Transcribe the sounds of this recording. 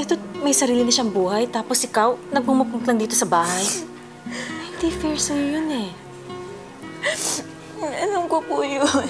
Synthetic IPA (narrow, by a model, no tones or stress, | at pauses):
ʔɛt̪omɐjsɐɾiːlɪnɐʃaʔɐŋbuːhɐjt̪aːposʔɪkawnɐɡ̚mumɐk̚ʊt̪lɐŋd̪iːt̪osɐbaːɦɐj | hɪnd̪ifiɹsɐjojonɛ | ʔɐlɐmkopujon